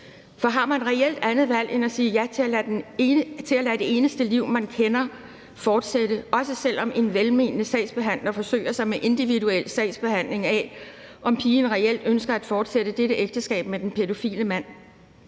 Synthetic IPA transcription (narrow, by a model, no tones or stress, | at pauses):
fɒ̽ɦɑ̈mænʁɛel̰d̥ænð̩ˠʋæl̰ʔe̝nɒsiːjæ | t͡sʰe̝ælæd̥e̝e̝ːnəsd̥əliʊ̰mænkʰenɐ | fɒːd̥sed̥əʔɒ̽səsel̰ɒ̽mʔe̝nʋelme̝nnəsɛ̰ɪsb̥e̝ɦæn̰lɐfɒ̽sø̰ɪ̰ɐsɑ̈ɪmeʔe̝nd̥iʋiduel̰sɛɪ̰sb̥e̝hæn̰le̝ŋɛ | ʔɒ̽mpʰiːnʁɛel̰d̥ønsɡ̥ɐæd̥fɒːd̥sed̥əd̥eɾəʔeɡ̥̚d̥əsɡ̥ɛ̰ːb̥med̥enpʰe̝do̝fḭːləmæn̰